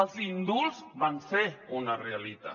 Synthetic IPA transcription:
əlˠzind̪ulzβanseunarealit̪a̰

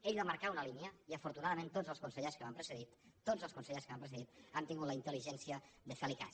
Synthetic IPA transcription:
eʎβaməɾkaunəlinjəiəfuɾt̪unaðəmẽnt̪ozəlˠskunsəʎeskəβampɾəsəðit̪ːozəlˠskunsəʎeskəβampɾəsəðit̪ant̪iŋɡut̪ləint̪əliʒɛnsiəðəfelika̰s

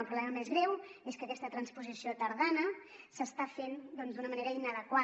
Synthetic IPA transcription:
lˠpɾuβlɛməmezɣɾɛweskəkɛst̪ət̪ɾənspuzisiot̪əɾðanə | səst̪afend̪ɔnzd̪unəməneɾəinəðəkwa

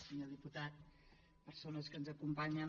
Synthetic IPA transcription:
səɲoðiput̪at̪̚ | pəɾsonəskənzəkumpaɲən

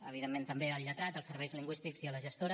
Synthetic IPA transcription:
əβiðemːent̪əmbeəlʎət̪ɾat̪əlˠsəɾβɛjzliŋɡwist̪ikziələʒəst̪oɾə

